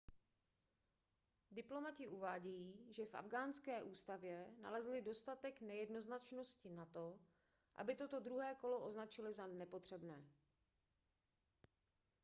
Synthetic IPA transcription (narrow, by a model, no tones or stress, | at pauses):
dɪplo̞macɪʔuvaːɟɛjiːʒɛfʔa̰vɡaːnskɛːʔuːst̪avjɛna̰lɛzlɪdo̞st̪at̪ɛknɛjɛdno̞znat͡ʃno̞scɪnat̪o̞ | ʔa̰bɪt̪o̞t̪o̞d̪ɾuɦɛːko̞lo̞ʔo̞znat͡ʃɪlɪzanɛpo̞t̪r̝̥ɛbnɛː